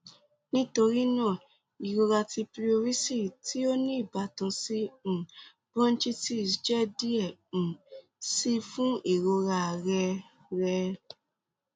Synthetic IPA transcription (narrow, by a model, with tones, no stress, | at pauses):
nĩ˦to˧ɾi˦nãː˦˨ | i˨ɾo˧ɾa˧ti˧pɾi˦o˧ɾi˦si˦˨ti˦o˦nĩ˦i˦˨ba˨˦tã˧sĩ˦˨ | bɔ̃˦n̩˦t͡ʃi˦ti˦˨sd͡ʒɛ˦di˦ɛ̃˦˨ | si˦fũ˦i˨ɾo˧ɾa˧˨ɾɛ˧ | ɾɛ˧